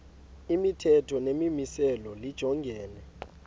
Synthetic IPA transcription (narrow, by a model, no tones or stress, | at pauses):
imitʰɛtʰɔnemimisɛlɔlid̥ʒ̥ʱɔŋɡʱɛːnɛ